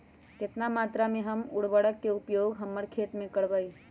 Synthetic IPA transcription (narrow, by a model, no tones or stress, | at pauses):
kɪt̪namaːt̪ɾamẽɦɐmʊɽbəɽəkːeʊpjoːɡɦɐmːəɽkʰeːt̪mẽkəɽʋai